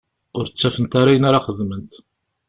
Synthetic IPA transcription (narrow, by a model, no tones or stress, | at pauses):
ʊɾt͡sːæfənt̪aɾajənaɾaχəðmənt̪